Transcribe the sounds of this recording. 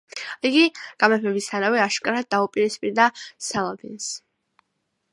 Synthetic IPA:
iɡiɡ̥amɛpʰɛbist̪ʰanavɛaʃkʼaɾad̪̚d̪ːaupʼiɾispʼiɾd̪asalˠabins

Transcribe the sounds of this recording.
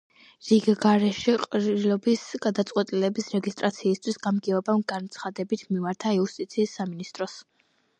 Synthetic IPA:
ziɡɡaɾɛʃiqʼɾilɔbisɡ̥ad̪at̪sʼqʼwɛt̪ʼilɛbisɾɛɡist̪ʼɾat̪sʰiːst̪ʰwisɡamɡɛɔbamɡant̪sʰχad̪ɛbit̪ʰmimaɾt̪ʰaiust̪ʼit̪sʰiːsːaminist̪ʼɾɔs

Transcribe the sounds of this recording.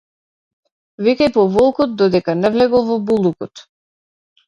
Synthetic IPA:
vikɛjpɔvɔlˠkɔt̪̚d̪ɔd̪ɛkanɛvlɛɡɔlˠvɔbulˠukɔt̪

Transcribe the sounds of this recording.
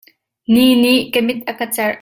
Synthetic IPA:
niːniʔkemɪt̪̚ʔakɐt͡sɛr

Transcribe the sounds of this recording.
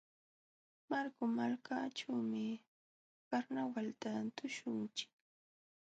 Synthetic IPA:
maɾkʊmalkaʈ͡ʂawmɪ | paɾnawalt̪at̪ʊʃʊnt͡ʃɪ̥k

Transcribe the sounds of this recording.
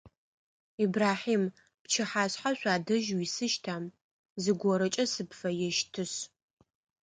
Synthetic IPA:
iːbraːħiːm | pt͡ʃʰɪħaːɕħaɕʷaːdɐʒwisɨʃtʰaːm | zɨɡʷɔɾɐt͡ʃʼɐsɨpfɐjɛʃtʰɨɕ

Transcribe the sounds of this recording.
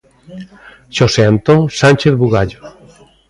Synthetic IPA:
ʃoseant̪õŋsãnʲt͡ʃeθβuɣaʎo

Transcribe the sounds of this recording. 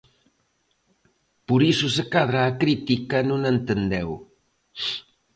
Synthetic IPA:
puɾisusəkaðɾaːkɾit̪ikanunent̪ənd̪ɛw

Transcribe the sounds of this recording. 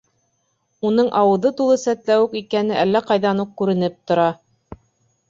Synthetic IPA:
unɤɴʔɑwɤ̆ðɤt̪ulˠɤsæt̪læwɘkikænɘʔælːæqɑjðɑnuq̚kʉɾɘ̆nɘp̚t̪ŏɾɑ

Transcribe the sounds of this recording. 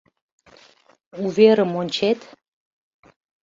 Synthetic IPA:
uβeɾə̆monʲt͡ɕet̪

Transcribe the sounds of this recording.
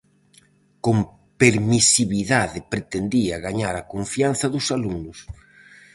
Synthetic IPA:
kom | peɾmisiβiðaðɪpɾet̪end̪iɐɣaɲaɾakoɱfian̟θɐðʊsaluŋnʊs

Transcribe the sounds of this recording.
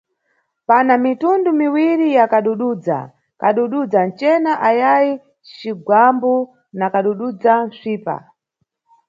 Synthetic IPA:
panamitundumiwiɾijakaɗuɗud͡za̰ | kaɗuɗud͡zant͡ʃɛnaʔajaji | t͡ʃiɡwambu | nakaɗuɗud͡zansʷiːpa̰

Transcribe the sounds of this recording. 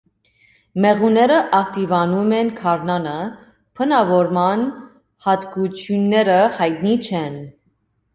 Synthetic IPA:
mɛʁunɛɾəʔɑkt̪ivɑnumɛnkʰɑɾnɑnə | pʰənɑvɔɾmɑn | hɑt̪kut͡ʃʰjunːɛɾəhɑjt̪̚nit͡ʃʰɛn

